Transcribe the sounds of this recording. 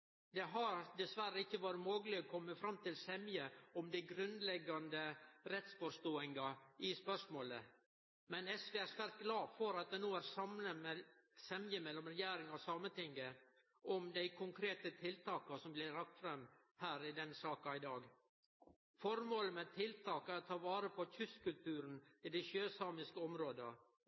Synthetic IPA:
d̪ɛɦɑɾd̪ɛsʋæɾəɪçːəʋɑːɾəmoːɡlɪɔkʰɔmːəfɾɑmːt̪ɪlsɛmjəɔmd̪æɪɡɾʉnd̪lɛɡɑnd̪əɾɛt̪sfoːst̪oːɪŋɑɪspœʂmoːlə | mɛnɛsʋeːæɾʂʋæːɾt̪̚ɡlɑːfɔɾɑt̪̚d̪ɛnuːæɾsɑmnəmɛsɛmjəmɛlːɔmɾɛjæːɾɪŋɑʋsɑːmənt̪ɪŋɡə | ʔɔmd̪æɪkʰʊŋkʰɾeːt̪ət̪ʰɪlt̪ʰɑːkɑsɔmblɪɾɑk̚t̪fɾɛmː | hæːɾɪd̪ɛnsɑːkɑɪd̪ɑːɡ | fɔɾmoːləmɛt̪ʰɪlt̪ʰɑːkæɾɔt̪ʰɑːʋɑːɾəpʰɔçʰʉskʉlt̪ʰʉːɾnɪd̪ɛʃøːsɑːmɪskəɔmɾoːd̪ə

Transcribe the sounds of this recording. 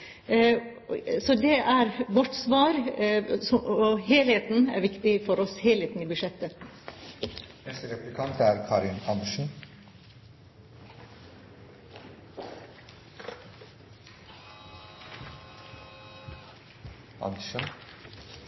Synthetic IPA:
sɔd̪ɛʔæɾʋɔʈːsʋɑːɾ | ɔɔheːlheːt̪n̩æ̰ɾʋɪkt̪ɪfɔɾɔsheleːt̪n̩iːbʉʃɛt̪ːə | ɛst̪ɾɛplɪkʰɑnt̪ʰæɾkʰɑɾɪnɑnd̪uʃən | ɑ̰nd̪iʃən

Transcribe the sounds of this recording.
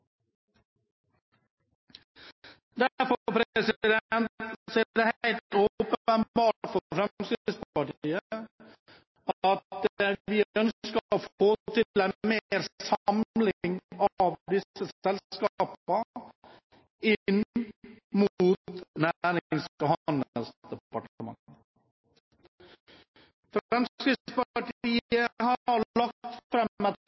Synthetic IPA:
d̪æɾfɔpʰɾsɪɪd̪ɛnt̪siːd̪ɛhæɪlt̪oːpəənbɑːʈfɔfɾɛsɪɪsp̪əpɑʈiːə | ɑt̪ʋiːœnssk̪foːt̪ʰɪlæmmeɾsɑmlɪŋɑʋd̪ɪsəsɛlkɑːpə | ɪn | muːt̪næɾɪɪŋsɔhɑnd̪əlsd̪̥ɛpɑʈəmɑ̰ŋ | fɾɛmskɾɪspɑʈiːəhɑɾlɑk̚t̪fɾɛə

